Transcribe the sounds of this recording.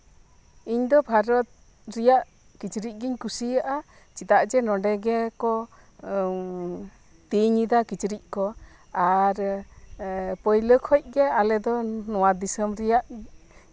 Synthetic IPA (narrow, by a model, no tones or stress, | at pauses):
iɲd̪ɔbʱaɾɔt̪̚ | ɾijaʔ | kit͡ʃɾic̚ˀɡiɲkusijaʔa | t͡ʃit̪aʔd͡ʒɛnɔɖɛɡɛkɔ | t̪iɲid̪akit͡ʃɾic̚kɔ | aɾ | pəjləkʰɔc̚ˀɡɛalɛd̪ɔnɔwad̪isəmɾɛjaʔ